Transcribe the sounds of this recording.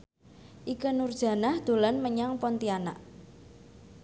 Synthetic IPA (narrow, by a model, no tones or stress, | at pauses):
ʔikənurd̥ʒ̥a̤nahd̪̥o̤lanməɲaŋpɔnt̪iana̰ʔ